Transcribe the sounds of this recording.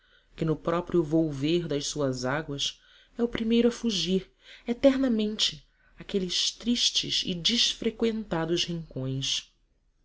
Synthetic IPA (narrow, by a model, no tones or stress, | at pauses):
kɪnʊpɾɔpɾiʊvowveɾd̪ɐjʃsuɐzaɡwɐs | ɛʊpɾimejɾʊɐfuʒiɾ | et̪ɛɾnɐmẽnt͡ʃɪ | akelɪʃt̪ɾiʃt͡ʃɪ̰zɪ̰d͡ʒiʃfɾekwẽnt̪ad̪ʊzhĩŋkõj̃s